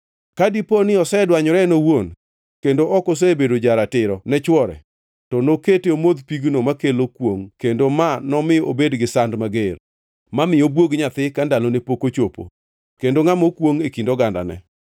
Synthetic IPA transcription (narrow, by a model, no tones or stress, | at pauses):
kadiponɪɔsɛdwaɲɔɾɛnowon | kendoʔɔkos̬ebedod͡ʒaɾatɪɾɔnɛt͡ʃwɔɾɛ̰ | tɔnoketeomod̪piɡnomakelokwoŋkendomanɔmɪo̰bedɡɪsandmaɡer | mamɪjobwoɡɲat̪ɪkandalonepokot͡ʃopo̰ | kendoŋamokwoŋekindoɡanda̰nɛ̰